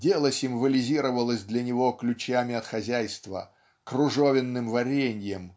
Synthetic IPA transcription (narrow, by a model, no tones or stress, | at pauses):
dʲelˠəsʲɪmvəlʲɪzʲiɾəvəlˠəsʲd̪lʲɐnʲɪvoklʲʉt͡ɕamʲɪɐt̪xɐzʲæjst̪və̰ | krʊʐovʲɪnːɨmvɐɾʲenʲjəm